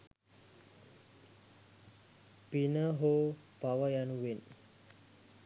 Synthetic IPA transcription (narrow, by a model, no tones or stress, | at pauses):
pinəɦo | pawajanuwin